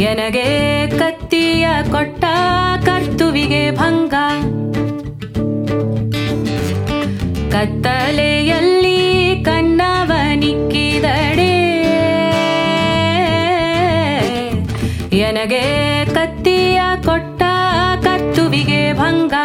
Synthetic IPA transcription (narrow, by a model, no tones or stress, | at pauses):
ɛnɐɡekɐt̪ːijɐkɔʈːɐkɐɾt̪uʋiɡebʱɐŋɡɐ | kɐt̪ːɐlejɐlːikɐɳːaːʋɐnikːid̪ɐɽe | jɛnɐɡekɐt̪ːijɐkɔʈːɐkɐɾt̪uʋiɡebʱɐŋɡɐ